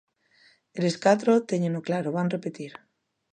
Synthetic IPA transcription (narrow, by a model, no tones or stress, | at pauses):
eleskat̪̬ɾot̪eɲenoklaɾoβanrepet̪iɾ